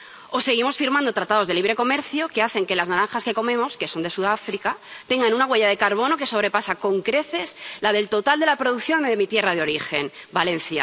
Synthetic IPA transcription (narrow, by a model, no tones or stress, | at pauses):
o̞se̞ɣ̞imo̞sfiɾmãnd̪o̞t̪ɾat̪að̞o̞zðeliβɾeko̞me̞ɾθjoke̞aθe̞ŋke̞laznaɾanxaske̞ko̞mẽ̞mo̞ske̞so̞nd̪e̞suðafɾikat̪e̞ŋɡanunaɣwe̞ʝað̞e̞kaɾβo̞no̞ke̞so̞βɾe̞pasako̞ŋkɾe̞θe̞slað̞e̞lt̪o̞t̪ald̪e̞lapɾoð̞ukθjo̞nðemit̪je̞rað̞eo̞ɾixe̞nbalẽ̞n̟θja̰